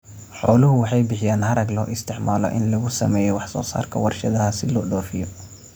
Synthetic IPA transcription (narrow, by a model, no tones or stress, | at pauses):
ħɔːlʊɦʊwɑħɑjbɪħɪjaːnhɐɾɐɡlɔːʔɪst̪ʰɪʕmaːlɔ̰ʔɪnlɐɣʊsɐ̰mɛːjɛwɑħsɔ̰ːsa̰ːrkʰɐwɑrʃɐðɐɦɐsɪlɔːɖɔːfɪjɔ